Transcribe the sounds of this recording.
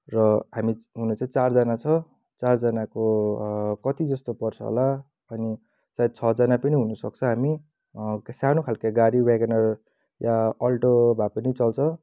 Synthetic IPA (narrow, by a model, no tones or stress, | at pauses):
rʌɦamiɦunet͡saĩt͡sard͡zʌnat͡sʰʌ | t͡sard͡zʌnako | kʌt̪id͡zʌst̪opʌrt͡sʰʌɦo̰la | ʌni | sajd̪̚t͡sʰʌd͡zʌnapʌniɦunʌsʌk̚t͡sʰʌ̃ɦami | sanokʰalkaɡaɾiwaɡʌnʌr | jaʌlʈobʱapʌnit͡sʌlt͡sʰʌ